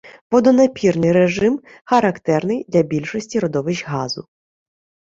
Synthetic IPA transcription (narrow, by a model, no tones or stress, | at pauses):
ʋɔd̪ɔnɐpʲirnɪjɾeʒɪm | xɐɾɐkt̪ɛrnɪjd̪lʲɐbʲilʲʃɔsʲtʲiɾɔd̪ɔʋɪʒɦɑzʊ